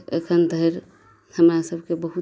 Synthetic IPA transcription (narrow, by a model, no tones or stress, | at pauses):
ḛkʰənd̪ʱəɾ | həmɾasəbʱkebəɦu